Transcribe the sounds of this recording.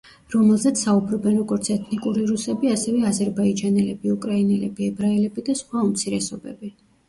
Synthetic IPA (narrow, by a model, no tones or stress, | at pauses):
ɾɔmɛlˠzɛt̪sʰaubɾɔbɛnɾɔɡɔɾt̪sʰɛt̪ʰnikʼuɾiɾusɛbiasɛvɛazɛɾbaid͡ʒanɛlɛbiukʼɾainɛlɛbiɛbɾaɛlɛbid̪asχwaumt̪sʰiɾɛsɔbɛ̰bi